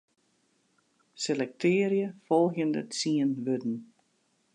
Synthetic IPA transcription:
selɛk̚tʰɪːɾjəfɔlˠxjəndə̰tsiənʋødn̩

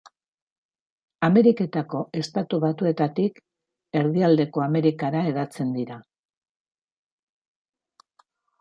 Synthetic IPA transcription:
ame̞ɾike̞t̪ako̞e̞st̪at̪uβat̪ue̞t̪at̪ik | e̞ɾðiald̪e̞ko̞ame̞ɾikaɾae̞ðat͡se̞nd̪iɾa

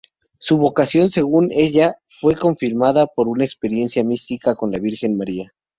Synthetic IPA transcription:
suβo̞kasjo̞nse̞ɣune̞ʝafwe̞ko̞ɱfiɾmaðapo̞ɾunaekspe̞ɾje̞nsjamist̪ikako̞nlaβiɾxe̞nmaɾia

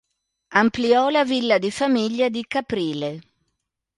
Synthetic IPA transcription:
ampliɔlavilːad̪ifamiʎːad̪ikapɾiːle

